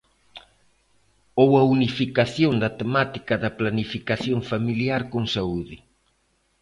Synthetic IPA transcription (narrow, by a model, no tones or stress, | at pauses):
owɐunifikaθjond̪ɐt̪emat̪ikɐðɐplanifikaθjoŋfamiliaɾkoŋsauðɪ